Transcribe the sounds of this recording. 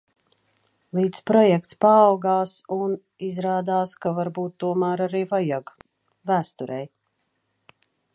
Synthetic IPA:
lˠiːt̪spɾɔjɛk̚t̪spaːwɡaːsun | izɾaːd̪aːskavaɾbuːt̪ːuɔmaːɾaɾiːvajaɡ | væːst̪uɾɛj

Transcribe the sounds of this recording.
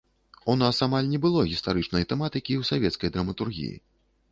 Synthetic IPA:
unasamalʲnʲɛbɨlˠɔɣʲist̪aɾɨt͡ʂnɐjt̪ɛmat̪ɨkʲiwsavʲɛt̪skɐjd̪ɾɐmɐt̪urɣʲḭjḭ

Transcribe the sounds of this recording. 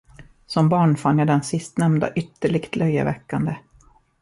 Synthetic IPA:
sɔmbɑːɳfanːjad̪ɛnsɪst̪nɛmnd̪a̰ʔʏt̪ːəɭɪɡt̪ʰlœjːə̰vɛkːand̪ə

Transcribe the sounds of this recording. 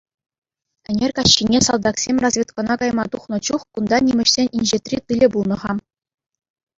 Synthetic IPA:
ɘ̆nʲerʲkɑɕːinʲesɑlˠd̪ɑksʲemʲrɑzvʲet̪kɑnɑkɑjmɑt̪uχnɤ̆t͡ɕuχkund̪ɑnʲimʲɘ̆ɕsʲenʲinʲʑet̪ʲrʲit̪ɯlʲɘ̆bulˠnɤ̆ʁɑ

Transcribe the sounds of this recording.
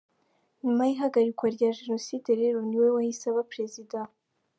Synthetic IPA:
ɲumajiɦaɡaɾikwaɾɟaːʒe̞no̞sideɾe̞ɾoniwe̞wahisaβapɾe̞zida

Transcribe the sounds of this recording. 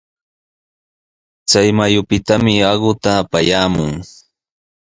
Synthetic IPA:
t͡sajmajʊpɪt̪amɪɑɢʊt̪aːpajaːmʊŋ

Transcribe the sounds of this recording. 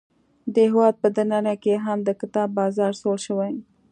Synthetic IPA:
d̪əɦɪwɑd̪̚pəd̪ananakeɦamd̪əkɪt̪ɑbːɑzɑɾsoɽʃəwaj

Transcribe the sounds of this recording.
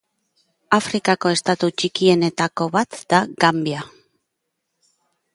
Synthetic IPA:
afɾikako̞e̞st̪at̪ut͡ʃikie̞ne̞t̪ako̞βat̪d̪aɡambia

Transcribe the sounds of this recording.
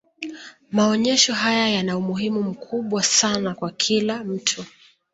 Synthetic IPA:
maɔɲɛʃɔɦajajanaumuɦimum̩kʰuɓwasanakwakʰilam̩tʰu

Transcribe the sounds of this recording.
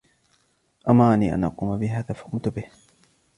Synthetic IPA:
ʔamːaːniːʔa̰nʔɑ̰quːmabɪɦaːðaːfḁkʊmt̪ʊbɪh

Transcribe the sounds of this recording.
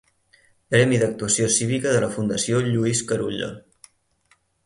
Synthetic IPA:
pɾɛmiðək̚t̪uəsiosiβikəðələfund̪əsioʎuiskəɾuʎə̰

